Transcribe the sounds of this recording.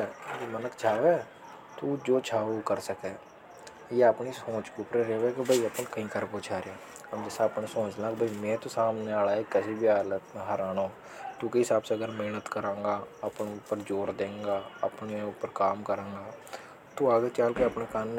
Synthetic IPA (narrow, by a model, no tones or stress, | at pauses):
d͡ʒemənəkʰt͡ʃʰaːʋeː | t̪uːd͡ʒoːt͡ʃʰaːokəɾsəkeː | jeɐpnisõːt͡ʃkeupɾeɾeːʋekebʱəiɐpnkɐɦĩkəɾpoːt͡ʃʰaːɾẽ | əmd͡ʒɛːsaɐpnesõːt͡ʃlakbʱɐimẽːt̪osaːmneaːlaːekɐsibʱiaːlət̪mẽɦəɾaːnoː | t̪uːkeɦɪsaːbseɐɡəɾmɪɦnət̪kəɾẽːŋɡaːɐpneʊpəɾd͡ʒoːɾd̪ẽːŋɡaːɐ̰pneʊpːəɾkaːmkəɾẽːŋɡaː | t̪uaːɡet͡ʃaːlkeɐpnekaːn